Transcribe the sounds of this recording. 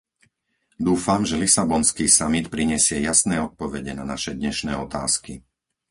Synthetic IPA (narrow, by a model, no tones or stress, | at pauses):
d̪uːfamʒɛlisabɔnskiːsamit̪pɾiɲɛsɪɛjasnɛːɔt̪̚pɔʋɛɟɛnanaʃɛd̪ɲɛʃnɛːɔt̪a̰ːski